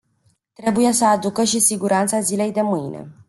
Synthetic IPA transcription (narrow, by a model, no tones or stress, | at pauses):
t̪ɾe̞buje̞səad̪ukəʃisiɡuɾant̪sazile̞jd̪e̞mɨjne̞̰